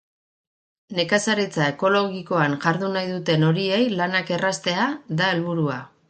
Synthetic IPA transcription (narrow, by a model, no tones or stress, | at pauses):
ne̞kasaɾet͡sae̞ko̞lo̞ɣiko̞anʝaɾðunajðut̪e̞no̞ɾie̞jlanake̞rast̪e̞aðae̞lβuɾua